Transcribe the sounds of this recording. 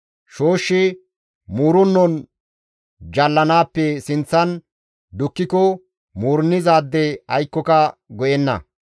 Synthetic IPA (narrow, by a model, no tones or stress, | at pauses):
ʃo̞ːʃːɪ | muːɾʊnːɔn | d͡ʒɐlːɐnaːpːɛsɪnt͡sːɐn | d̪ʊkːɪkɔ | muːɾnːɪzaːd̪ːɛɐjkːɔkɐɡɔjɛnːɐ̰